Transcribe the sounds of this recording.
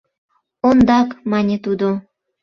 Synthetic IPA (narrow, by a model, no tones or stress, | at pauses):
ond̪ɑkmɑnʲet̪ud̪o